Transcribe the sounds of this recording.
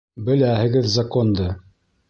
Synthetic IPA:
bɘ̆læhɘ̆ɡɘðzɐkond̪ɤ

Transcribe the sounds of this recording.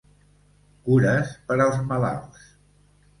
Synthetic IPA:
kuɾəspəɾəlˠzməla̰lˠs

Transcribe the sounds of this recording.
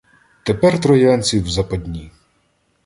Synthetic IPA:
t̪epɛrt̪ɾɔjanʲt͡sʲiwzɐpɐdʲnʲi

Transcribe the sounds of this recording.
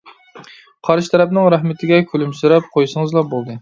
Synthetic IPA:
qʰɑɾʃt̪ʰɛɾɛpnɪŋɾæhmɪt̪ʰɪɡʲɛkʲʰølymsɨɾɑp̚qʰojsɨŋɨzlˠɑbolˠd̪ɨ

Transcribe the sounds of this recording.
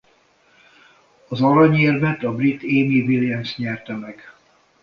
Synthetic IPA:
ɒzɒɾɒɲeːrvɛt̪ɒbrit̪ːeːmiviliɛmsɲɛrt̪ɛmɛɡ̥

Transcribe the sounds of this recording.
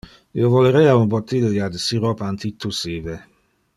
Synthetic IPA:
ḭovɔləɾɛaumbɔt̪ːid̪əjad̪əsiɾɔpant̪it̪ːusive

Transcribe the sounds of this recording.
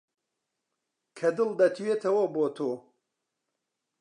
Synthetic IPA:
kʰɐd̪ɨlˠd̪ɐt̪ʰwet̪ʰɐwɐboːt̪ʰoː

